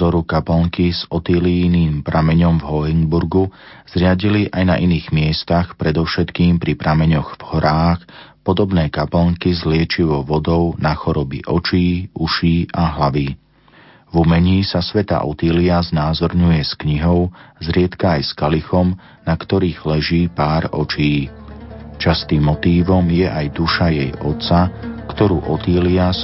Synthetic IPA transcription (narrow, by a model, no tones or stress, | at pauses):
ɔɾukapɛlŋkizɔt̪iːliniːmpɾʔamɛɲɔmvɦɔiŋbuɾɡuz̥ɾɪaɟiliʔajna̰ʔiniːɣmɪɛst̪axpɾɛd̪ɔʊʃɛt̪kiːmpɾipɾamɛɲɔɣvhɔɾʔaːxpɔd̪ɔbnɛːkaplŋkizlɪɛt͡ʃiʋɔʊʋɔd̪ɔʊnaxɔɾɔbḭʔɔt͡ʃiːuʃiːʔaɦlaʋiː | vumɛɲiːsasʋɛt̪a̰ʔɔt̪iːliaznaːzɔɾɲujɛskɲiɦɔʊzɾɪɛt̪kaːjskalixɔm | nakt̪ɔɾiːɣlɛʒiːpaːɾɔt͡ʃiː | t͡ʃast̪iːmːɔt̪iːʋɔmjɛʔajd̪uʃajɛjɔt̪t͡sakt̪ɔɾṵːʔɔt̪iːlias